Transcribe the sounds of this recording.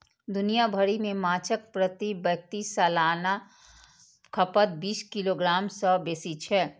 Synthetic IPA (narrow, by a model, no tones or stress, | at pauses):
d̪ʊnijabʱəɾimẽmaːt͡ʃʰək̚pɾət̪ibək̚t̪isaːlaːna | kʰɐpət̪̚biːskiloɡɾaːmsɔbeːsit͡ʃʰɛː